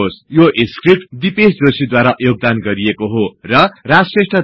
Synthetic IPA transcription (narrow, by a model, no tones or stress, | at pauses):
sjoʔiskrip̚ʈd̪ipesd͡zosid̪waɾaʔjoɡ̚d̪anɡʌɾiekoɦorʌrad͡zsesʈʌ